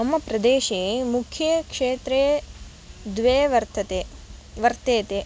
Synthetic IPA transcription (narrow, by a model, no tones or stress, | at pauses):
ɐmːɐpɾɐd̪eːʃeːmukʰjɐkʂeːt̪ɾeː | d̪ʋeːʋɐɾt̪ʰɐt̪eʋɐɾt̪eːt̪e